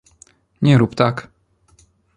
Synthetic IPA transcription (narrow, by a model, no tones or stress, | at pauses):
ɲɛɾupt̪ak